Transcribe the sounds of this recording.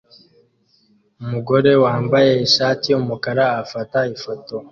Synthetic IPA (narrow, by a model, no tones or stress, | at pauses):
umuɡo̞ɾe̞waːmbaje̞iʃaːtiumukaɾaːfataifo̞to̞